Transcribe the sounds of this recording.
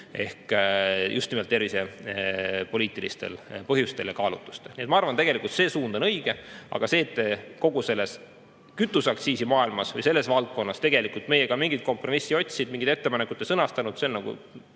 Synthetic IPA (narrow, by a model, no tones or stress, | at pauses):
e̞hkjʔust̪nime̞lt̪ːevise̞ | po̞liːt̪ːˑilist̪e̞̰lpɤɦjust̪e̞ljɑkɑːlut̪ːˑu̥st̪e̞lniet̪mɑɑrvɑnt̪e̞ɡ̥e̞likˑult̪se̞ːsuːnd̪o̞nɤjɡ̥e̞ɑ̰ɡ̥ɑse̞ːt̪ːe̞ko̞ɡ̥use̞lːe̞s | kyt̪ːˑusɑksiːsimɑːilmɑsvɤ̰jse̞lːe̞svɑlt̪̚ko̞nːɑst̪e̞ɡe̞likˑult̪me̞jekɑmiŋɡ̥it̪̚ko̞mpro̞misːio̞t̪ʲsʲid̪̥̚miŋɡid̪e̞t̪ːe̞pɑnekːˑut̪ːˑesɤnɑst̪ɑnud̪se̞onːɑɡ̥ṵ